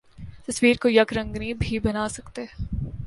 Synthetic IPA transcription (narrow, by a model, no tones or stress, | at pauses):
t̪ɐswiːɾkojɐkɾɐ̃ŋɡnibʱibɐnaːsɐkt̪e